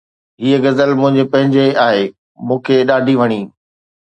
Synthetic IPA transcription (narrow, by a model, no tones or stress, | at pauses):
ɦiːəɡɐzəlmʊ̃ɦɪ̃ɲd͡ʑepɐ̃ɦɪ̃ɲd͡ʑeaːɦeː | mũːkʰeɗaːɖʱiʋɐɽ̃iː